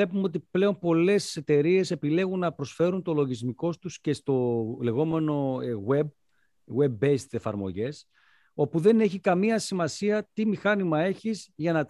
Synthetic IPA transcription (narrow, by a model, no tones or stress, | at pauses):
e̞pumeo̞t̪̬iple̞o̞mpo̞le̞sse̞t̪e̞ɾie̞se̞pile̞ɣunːɐpɾo̞sfe̞ɾunt̪o̞lo̞ʝizmiko̞st̪usce̞st̪o̞le̞ɣo̞me̞no̞ɣweb̚ | we̞bːeist̪sefɐ̰ɾmo̞̰ʝe̞s | o̞puðe̞ne̞çikɐmiɐsimɐsiɐt̪imixɐnimɐe̞çizʝɐnɐt̪